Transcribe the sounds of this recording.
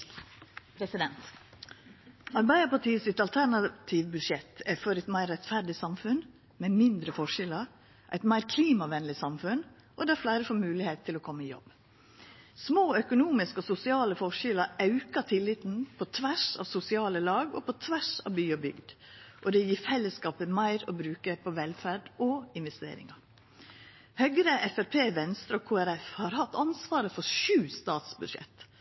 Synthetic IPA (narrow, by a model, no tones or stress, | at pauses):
pʰɾɛsɪd̪ɛnt̪ | ɑɾbæɪd̪əpɑʈiːəsɪt̪ɑlt̪ʰæɳɑt̪ʰiːʋbʉd̪ʂɛt̪ʰæfɔɾɛɪt̪mæɪɾɛt̪fæɾɖɪsɑmfʉn | mɛmɪnd̪ɾəfɔʂɪləɾ | ʔæ̰ɪt̪mæɪɾkʰliːmɑʋɛnlɪsɑmfʉn | ʔɔd̪ɛæflæɪɾəfoːmʉːlɪheːt̪ʰːɪlɔkʰɔmːəɪjɔ̰b | smoːœkʊnuːmɪskɔsʊsɪɑːləfɔʂɪləʔɑʉkəʈʰɪlːɪt̪n̩pʰɔt̪ʰʋæʂɑ̰ʋsʊsɪɑːləlɑːɡɔ̰pʰɔt̪ʰʋæʂɑ̰ːʋbyːɔbʏ̰ɡd̪ʔɔd̪ɛjiːfɛlːəskɑːpəmæɪɾɔbɾʉːkəpʰɔʋɛlfæːɖʔɔɪnʋɛst̪ḛːɾɪ̰ŋɑ | hœɡɾəʔɛfæɾpʰeːʋɛnst̪ɾəɔːkʰuːæɾɛfhɑːɾhɑt̪ːɑnsʋɑːɾəfɔɾʃʉːst̪ɑːt̪sbʉʂɛ̰t̪